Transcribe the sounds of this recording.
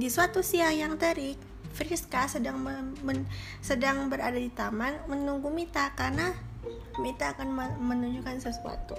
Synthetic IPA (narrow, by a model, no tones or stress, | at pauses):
disuat̪usiahjaŋt̪əɾɪk̚ | fɾiskasədaŋməmə | sədaŋbəɾadadit̪amanmənuŋɡumit̪akarna | mit̪aːkanməmənuɲd͡ʒukansəsua̰t̪u